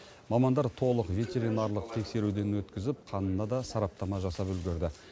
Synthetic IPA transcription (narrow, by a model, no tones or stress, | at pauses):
mɑmɑnd̪ɑɾt̪ʰo̞lˠəqvʲe̞t̪ʲe̞ɾinɑɾlˠəq̚t̪ʰe̞kse̞ɾud̪e̞nwɵt̪kʲɪzɪp̚qʰɑnənːɑd̪ɑsɑɾɑp̚t̪ɑmɑʒɑsɑpɵlɡʲɪɾd̪ɪ